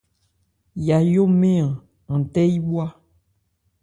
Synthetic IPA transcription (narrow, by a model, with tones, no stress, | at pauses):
ja˨jo˦mẽ˦ã˨ | ŋ̩̃˨t̪ɛ˦ji˦bu˦a˦